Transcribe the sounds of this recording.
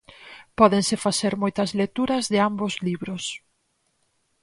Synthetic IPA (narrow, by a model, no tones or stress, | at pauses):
pɔðeŋsɪfaθeɾmɔjt̪ɐzlet̪uɾɐzðɪambozliβɾʊs